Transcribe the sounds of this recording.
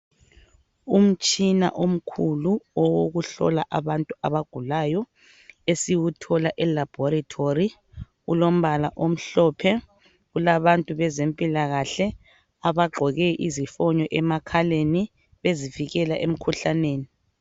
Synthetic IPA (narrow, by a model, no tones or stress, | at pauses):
um̩t͡ʃʼina̰ʔom̩kʰuluɔwoɣuɬɔ̰laʔaβantʼuaβaɡ̥ʱulaːjɔ | esiwutʰɔlaʔɛlab̥ʱɔɾatʰori | ulom̩βalaʔom̩ɬɔpʰɛ | ɣulaβantʼuβɛzempʼilaɣaɬɛ | aβaɡ͡ǃʱɔɣɛʔizifɔɲɔʔɛmakʰaleni | βeziviɣɛlaʔem̩kʰuɬaneːni